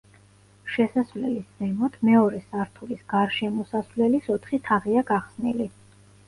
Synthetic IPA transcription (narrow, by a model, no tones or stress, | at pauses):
ʃɛsasvlɛlisd̪zɛmɔt̪ʰmɛɔɾɛsaɾt̪ʰulisɡaɾʃɛmɔsasvlɛlisɔt̪ʰχit̪ʰaʁiaɡaχsnili